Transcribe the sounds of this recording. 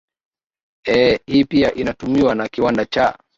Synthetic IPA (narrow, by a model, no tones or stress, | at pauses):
ɛhiːpiaʔinatumiwanakiwandat͡ʃa